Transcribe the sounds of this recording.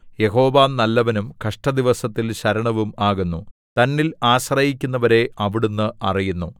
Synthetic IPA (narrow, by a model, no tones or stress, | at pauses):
je̞ɦo̞ːʋaːmnɐlːɐʋɐnumkɐʂʈɐd̪iʋɐsɐt̪ːilɕɐɾɐɳɐʋumaːɣunːut̪ɐnːilaːɕrɐjik̬ʲːunːɐʋɐɾe̞ɐʋiɽunːɨʔɐrijunːu